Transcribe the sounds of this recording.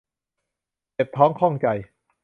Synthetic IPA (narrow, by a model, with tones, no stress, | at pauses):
t͡ɕe˨˩p̚t̪ʰɔː˦˥ŋkʰɔ˥˩ŋt͡ɕa˧j